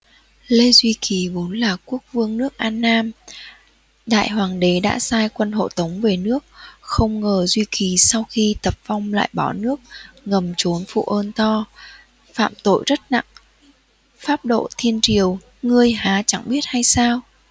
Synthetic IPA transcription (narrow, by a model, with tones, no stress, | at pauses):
le˧zwi˧ki˨˩vo˨˦nlaː˨˩ku˦˥ək̚vɨ˧əŋnɨ˦˥ək̚ʔaː˧nːaː˧m | ɗa̰ː˧˨jɦwaː˨˩ŋɗe˨˦ɗa̰ː˧˥saː˧jkwə˧nɦo̰˧˨t̪ə˨˦wŋ͡mve˨˩nɨ˦˥ək̚xə˧wŋ͡mŋəː˨˩zwi˧ki˨˩sa˧wxi˧t̪ə˨˩p̚va˧wŋ͡mla̰ː˧˨jɓɔ˧˩nɨ˦˥ək̚ŋə˨˩mt͡ɕo˨˦nfṵ˧˨ʔəː˧nt̪ɔ˧ | fa̰ː˧˨mt̪o̰˧˨jzə˦˥t̚na̰˧˨ŋ | faː˦˥p̚ɗo̰˧˨t̪ʰi˧ənt͡ɕi˨˩əw | ŋɨ˧əjɦaː˨˦t͡ɕa˧˩ŋɓi˦˥ət̚ha˧jsaː˧w